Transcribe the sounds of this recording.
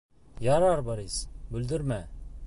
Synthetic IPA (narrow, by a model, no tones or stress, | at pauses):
jɑɾɑɾbɑɾisbɵ̆ld̪ɘɾmæ